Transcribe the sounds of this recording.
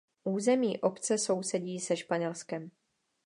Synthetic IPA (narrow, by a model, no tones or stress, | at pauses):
ʔuːzɛmiːʔo̞pt͡sɛso̞wsɛɟiːsɛʃpaɲɛlskɛm